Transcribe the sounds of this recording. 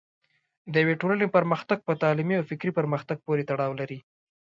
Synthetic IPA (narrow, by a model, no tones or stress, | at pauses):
d̪əjaweʈolənepəɾməxt̪aɡ̚pət̪ɑlimiawfɪkɾipəɾməxt̪aɡ̚poɾet̪aɽɑwlaɾi